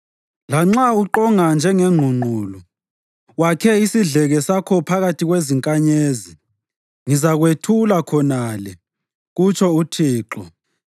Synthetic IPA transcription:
laŋ͡ǁauǃɔŋand͡ʒʱɛŋɛŋ͡ǃʱuŋ͡ǃʱuːlɔ | wakʰɛisiɮɛɣɛsakʰɔpʰaɣatʰiɣweziŋkʼaɲeːzi | ŋizaɣwetʰulakʰɔnalɛ | ɣut͡ʃʰʼɔutʰiːǃɔ

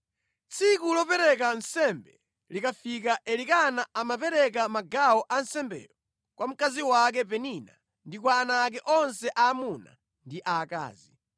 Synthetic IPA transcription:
t͡sʰikulɔpɛɾɛkansɛmbɛ | likafikaʔɛlikanaamap̬ɛɾɛk̬amaɡawɔʔansɛmbɛ̰ːɾɔ | kwʔam̩kaziwak̬ɛp̬ɛnina̰ | ndikwaːnak̬ɛʔɔnsɛʔaːmuna̰ | ndiʔaka̰ːzi

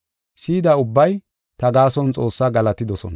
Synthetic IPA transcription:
siːd̪ɐʊbːɐj | t̪ɐɡaːsɔnt͡sʼo̞ːsːaɡɐlɐt̪ɪd̪ɔsɔ̰nɐ

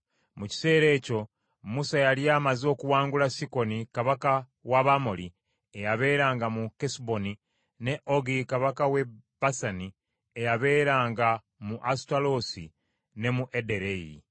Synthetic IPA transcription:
muci̥se̞ːɾe̞ːco̞ | musajaljaːmazo̞ːkuwaːŋɡulasiko̞nikaβaka | waβamoli | ejaβe̞ːɾaːŋɡamukesbo̞ni | ne̞ʔoɡikaβakawe̞b̥asani | ejaβe̞ːɾaːŋɡa | muʔastalo̞si | ne̞muʔedeɾejḭ

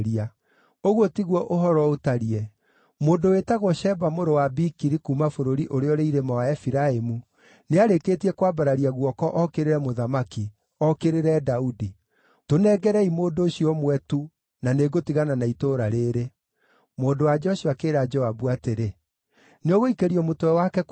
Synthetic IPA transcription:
ɾia | oɣwotiɣwɔʔoɦɔɾɔotaɾiɛ | moːndowetaɣɔʃɛbamoɾowabikiɾikumafoɾoɾiʔoɾeɔɾeiɾemawaɛfiɾaemu | neaɾekeːtiɛkwabaɾaɾiaɣwɔkɔʔɔkeɾeɾɛmoðamaki | ɔkeɾeɾɛdaudi | tonɛɡɛɾɛimoːndoːʃiɔmwɛtu | naneɡotiɣananaitoɾaɾeːɾe | moːndowad͡ʒɔɕiakeːɾad͡ʒɔabuateɾe | neɔɣoikeɾiɔmotowɛwakɛ

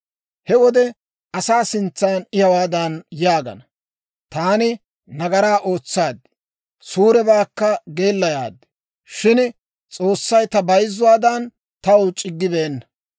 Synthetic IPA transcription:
hɛwɔd̪ɛ | ʔɐsaːsɪnt͡sːaːnɪjɐwaːd̪ɐnjaːɡɐ̰nɐ | t̪aːnɪ | nɐɡɐɾaːʔo̞ːt͡sːaːd̪ːɪ̥ | suːɾɛbaːkːɐɡe̞ːlːɐjaːd̪ːɪ̥ | ʃɪn | t͡sʼo̞ːsːɐjt̪ɐbɐjzːʊwaːd̪ɐn | t̪ɐwʊt͡ʃʼɪɡːɪbeːnːɐ̥

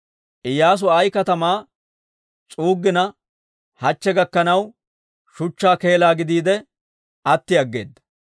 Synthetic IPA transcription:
ʔɪjːaːs̬ʊɐjkɐt̪ɐmaː | t͡ʃʼuːɡːɪnɐ | hɐt͡ʃːɛɡɐkːɐnɐw | ʃʊt͡ʃːaːke̞ːlaːɡɪd̪iːd̪ɛ | ɐt̪ːɪɐɡːe̞̰ːd̪ːɐ̥

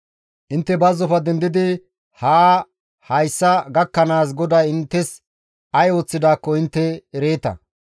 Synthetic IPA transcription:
ʔɪnt̪ːɛbɐzːɔfɐd̪ɛnd̪ɪd̪ɪ | haː | hɐjsːɐɡɐkːɐnaːs̬ɡɔd̪ajɪnt̪ːɛs | ɐjo̞ːt͡sːɪd̪aːkːɔɪnt̪ːɛːɾeːt̪ɐ̰

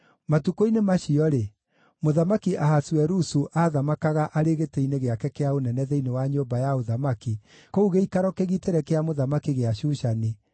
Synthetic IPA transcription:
matukoinemaʃiɔɾe | moðamakiʔaɦaswɛɾusuʔaðamakaɣaʔaɾeɣeteineɣeakɛkeaonɛnɛðɛinewaɲombajaoðamaki | kouɣeikaɾɔkeɣiteɾɛkeamoðamakiɣeaʃuʃani

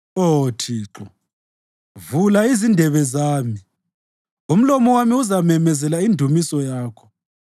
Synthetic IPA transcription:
otʰiːǁɔ | vulaizindʱɛβɛzaːmi | um̩lɔmɔwamiuzamɛmɛzɛlaindʱumisɔjaːkʰɔ̥

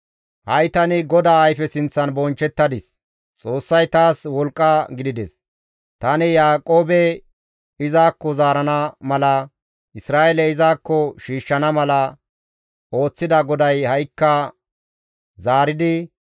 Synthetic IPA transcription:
hɐjt̪ɐnɪɡɔd̪aːɐjfɛsɪnt͡sːɐnbɔnt͡ʃːɛt̪ːɐd̪ɪs | t͡sʼo̞ːsːɐjt̪aːswɔlkʼːɐɡɪd̪ɪd̪ɛs | t̪ɐnɪjaːkʼoːbɛ | ɪzaːkːɔzaːɾɐnɐmɐlɐ | ʔɪsɾaːʔeɛlɛɪzaːkːɔʃiːʃːɐnɐmɐlɐ | o̞ːt͡sːɪd̪ɐɡɔd̪ɐjhɐjkːɐ | zaːɾɪd̪ɪ

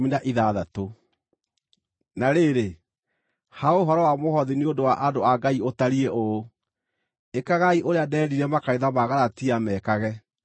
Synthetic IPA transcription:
minaʔiðaðato | naɾeɾe | haoɦɔɾɔwamohɔðineodowaʔadoaɡaiotaɾiɛʔo | ekaɣaiʔoɾeadɛːɾiɾɛmakaiðamaɣaɾatiamɛːkaɣɛ

